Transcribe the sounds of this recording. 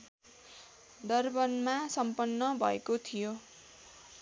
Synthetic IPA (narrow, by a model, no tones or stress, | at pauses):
d̪ʌrbʌnmasʌmpʌnːʌbʱʌekot̪ʰijo